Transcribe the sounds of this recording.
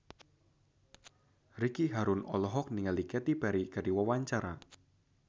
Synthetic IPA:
rikiɦaɾʊnɔ̰lɔɦɔk̚niŋalikɛt̪ib̥aɾikadiwawaɲt͡ʃaɾa

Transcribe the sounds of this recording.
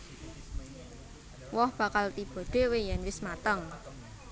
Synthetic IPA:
wɔhb̥ä̤kalt̪ib̥o̤ɖ̥e̤wejɛnwɪsmat̪əŋ

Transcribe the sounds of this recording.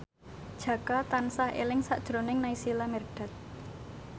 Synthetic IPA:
d̥ʒ̥ä̤kat̪ansahʔḛlɪŋsaʔd̥ʒ̥ɾonɪŋnaisilamɛrɖ̥a̤t̪̚

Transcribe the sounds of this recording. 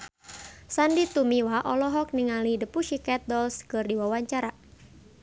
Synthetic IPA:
sandit̪umiwaʔɔlɔɦɔk̚niŋalidəpuʃikɛt̪̚dɔlskɨrdiwawaɲt͡ʃaɾa

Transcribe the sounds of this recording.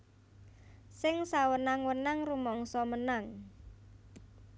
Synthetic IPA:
sɪŋsawənaŋwənaŋrumɔŋsɔmənaŋ

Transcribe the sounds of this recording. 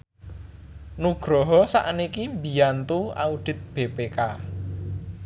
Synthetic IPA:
nuɡ̥ɾɔɦɔsa̰ʔnikimbi̤ant̪ua̰ud̪̥ɪ̤t̪̚b̥ebeka

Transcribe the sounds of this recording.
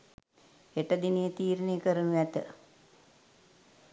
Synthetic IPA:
eʈəd̪inijət̪iːɾəneːkəɾənuʋæt̪ə

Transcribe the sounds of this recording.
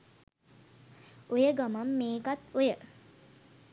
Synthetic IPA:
ujəɡamamːeːkat̪ujə

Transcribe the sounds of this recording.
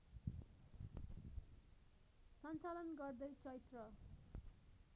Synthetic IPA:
sʌnt͡salʌnɡʌrd̪ʌjt͡sʌit̪rʌ

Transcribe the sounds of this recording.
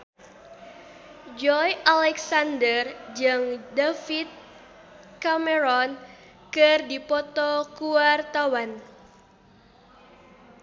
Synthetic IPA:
d͡ʒɔjʔalɛksandərd͡ʒəŋdafit̪̚ | kameɾɔn | kərdipɔt̪ɔkuwart̪awan

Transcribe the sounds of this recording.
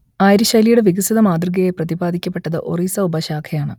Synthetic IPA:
aːjiɾɐɕaːlijuɽe̞ʋiɡɐsiðɐmaːd̪rɨɡɐjeprɐðibaːd̪ʱikʲːɐpːe̞ʈːɐðɨ̰ʔoriːsɐubɐɕaːkʰɐjaːɳɨ̰

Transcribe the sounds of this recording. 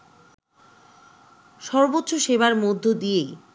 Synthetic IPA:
ʃɔɾbot̪ːɕoʃeβaɾmod̪ʱːod̪ije

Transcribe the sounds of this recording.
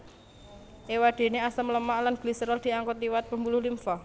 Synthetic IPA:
ʔewaɖ̪̥e̤neasəmləmaʔlanɡ̥lisəɾɔld̪̥i̤aŋkɔt̪iwat̪̚pəmbulʊhlimfɔ

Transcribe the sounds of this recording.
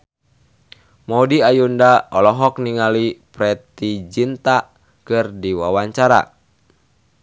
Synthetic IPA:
mɔudiajundaɔlɔɦɔk̚niŋalipɾɛt̪id͡ʒint̪a | kɨrdiwa̰waɲt͡ʃaɾa̰

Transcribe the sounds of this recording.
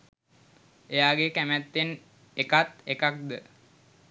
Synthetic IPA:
ejaːɡekæmæt̪ːen | ekat̪ekak̚d̪ə

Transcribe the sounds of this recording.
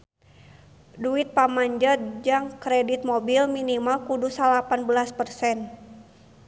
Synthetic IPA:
duit̪̚pamaɲd͡ʒət̪̚d͡ʒaŋkɾɛdit̪̚mobilminimalkudusalapanbəlaspərsɛn

